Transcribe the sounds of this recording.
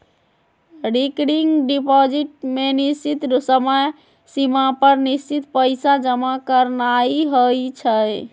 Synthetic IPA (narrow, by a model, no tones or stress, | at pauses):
ɖikɽiŋɡɖipɔd͡ʒiʈ̚menist͡ʃit̪ɾusəməj | simapəɾnist͡ʃit̪pəɪsad͡ʒəmakəɾnaiɦojt͡ʃʰəj